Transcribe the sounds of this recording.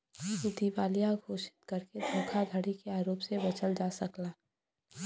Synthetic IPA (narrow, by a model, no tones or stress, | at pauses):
ʊd̪ibaːlijaɡʱoːʃɪ̥t̪kəɾked̪ʱõkʰad̪ʱəɽikeaːɾoːpsebɐt͡ʃəld͡ʒaːsəklaː